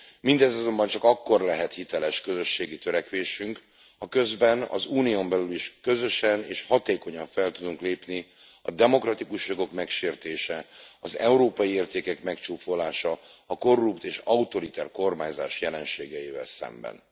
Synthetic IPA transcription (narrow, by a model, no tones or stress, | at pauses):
mind̪ɛzɒzo̞mbɒnt͡ʃɒkɒkːo̞rlɛɦɛt̪hit̪ɛlɛʃkø̞zø̞ʃːeːɡit̪øɾɛkʋeːʃyŋk | hɒkø̞zbɛnɒ̰zuːnijo̞mbɛlyliʃkø̞zø̞ʃɛneːʃhɒt̪eːko̞ɲɒɱfɛlt̪ud̪uŋkleːpni | ɒd̪ɛmo̞krɒt̪ikuʃjo̞ɡo̞kmɛkʃeːrt̪eːʃɛɒzɛuɾoːpɒjieːrt̪eːkɛkmɛkt͡ʃuːfo̞laːʃɒːko̞rːupt̪eːʃɒut̪o̞ɾit̪ɛrko̞rmaːɲzaːʃjɛlɛnʃeːɡɛiːvɛ̰lsɛ̰mbɛ̰n